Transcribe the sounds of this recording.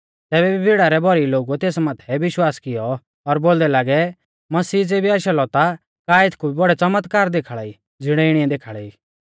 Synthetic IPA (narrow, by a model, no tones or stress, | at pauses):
t̪ɛːbɛbibʱiɽaɾɛbɔɾiloːɡuɛt̪eːsmaːt̪ʰɛʋɪʃwaːskɪjɔ | ɔɾboːld̪ɛlaːɡɛ | mɐsiːd͡zebiaːʃalɔt̪a | kaːɪt̪ʰkubʱibɔɽɛt͡sɐmət̪kaːɾd̪eːkʰaɭai | d͡zɪɽ̃ɛɪɽiɛd̪eːkʰaːɭɛiː